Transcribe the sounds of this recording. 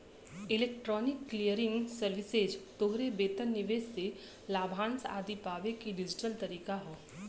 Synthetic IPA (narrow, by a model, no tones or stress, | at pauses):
ɪleːk̚ʈɾɔːnɪkːlijəɾɪ̃ŋɡsəɾʋɪsed͡ʒt̪oɦɾebeːt̪ənːɪʋeːsːe | laːbʱãːnsa̰ːd̪ipaːʋekiɖɪd͡ʒɪʈəlt̪ɐɾiːkaɦoː